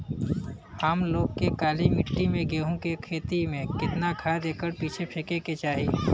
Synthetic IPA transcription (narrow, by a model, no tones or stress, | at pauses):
aːmloːɡkekaːlimɪʈːimẽɡeːɦõkekʰeːt̪imẽkɪt̪naɡʱad̪eːkəɾpiːt͡ʃʰepʰekeket͡ʃaːɦi